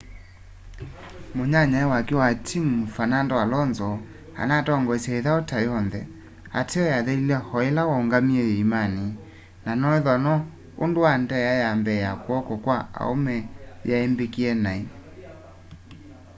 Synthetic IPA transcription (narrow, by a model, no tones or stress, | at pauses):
moɲaɲaɛwakewatʰimfanandɔwalɔnzɔ | a̰natɔŋɡɔsɛeðaotajɔnðɛ̰ | a̰tʰeɔjaðɛlilɛhɔelawɔoŋɡamiɛjeimani | nanɔeðɔnɔ | ondowandɛjajambɛjakwɔkɔkwaa̰o̰mɛjaembekiɛnai